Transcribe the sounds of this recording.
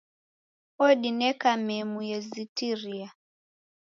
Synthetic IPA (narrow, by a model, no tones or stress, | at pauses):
ɔɗinɛkamɛmujɛzitiɾia